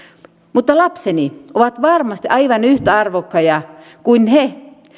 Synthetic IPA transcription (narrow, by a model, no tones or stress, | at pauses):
mut̪ːɑlɑpsenioʋɑt̪ʋɑrmɑst̪iʔɑiʋɑnyht̪æɑrʋokːɑjɑ | kuinhe